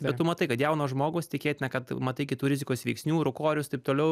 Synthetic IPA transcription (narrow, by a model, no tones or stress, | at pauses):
bʲɛtt̪ːʊmɐt̪ɐɪkɐt̪jɛʊnoːʒmoːɡʊːst̪ʲɪkʲeːt̪ʲɪnʲɐkɐt̪mɐt̪ɐɪkʲɪt̪uːɾʲɪzʲɪkoːsʋʲɛɪksʲnʲuːɾʊkoːɾʲʊst̪ɐɪp̚t̪oːlʲɛʊ